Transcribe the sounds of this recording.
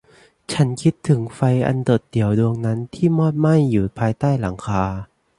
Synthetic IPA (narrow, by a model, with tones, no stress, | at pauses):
t͡ɕʰa˦˥nkʰi˦˥t̪ʰːɯ˩˦ŋfa˧jʔa̰˧ndo˨˩t̪̚d̪i˨˩˦əwdu˧əŋna˦˥nt̪ʰiː˥˩mɔː˥˩t̪̚ma˥˩jːuː˨˩pʰaː˧jt̪aː˥˩jla˩˦ŋkʰaː˧